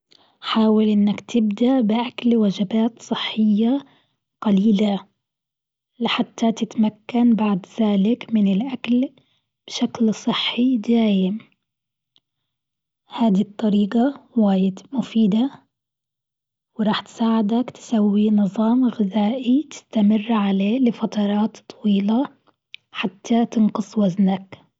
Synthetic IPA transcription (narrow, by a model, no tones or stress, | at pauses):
ħaːwɪlʔɪnːakt̪ʰɪb̚d̪aʔbɪʔaklwad͡ʒɪbaːt̪sˤɨħːɪjːa | qɑliːla | lɪħat̪ːat̪ɪt̪makːanbaʕd̪ðaːlɪkmɪnɪlʔakl | b̥ɪʃaklsˤɨħːid̪aːjɪm | haːd̪it̪ˤːɑɾiːɡawaːjɪd̪mʊfiːd̪a | wɾˤɑːħt̪saːʕɪd̪akt̪ɪ̥sawːinɨðˤɑːmɣɪzaːʔit̪ɪ̥st̪amɪrːʕaleːlɪfɑt̪ɑɾˤɑːt̪t̪ˤːɑwiːla | ħat̪ʰːat̪ɪnqɨsˤwaznak